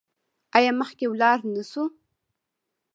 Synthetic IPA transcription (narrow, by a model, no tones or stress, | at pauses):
ajɑməχkewlɑɾnəsu